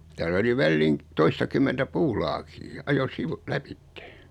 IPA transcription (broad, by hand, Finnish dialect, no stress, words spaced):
tæːlː oli ʋælːiːŋ toistɑkymːentæ puːlɑːkiː ɑjo siʋu læpitːe̥